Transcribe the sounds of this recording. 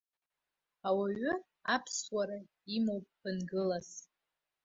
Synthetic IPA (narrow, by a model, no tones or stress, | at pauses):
awaɥʏ | apʰswaɾa | imowpʼpʰɨnɡɨlas